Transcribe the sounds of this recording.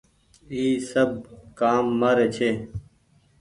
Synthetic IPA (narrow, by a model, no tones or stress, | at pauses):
iːsɐb̚kaːmːɐɾet͡ɕʰe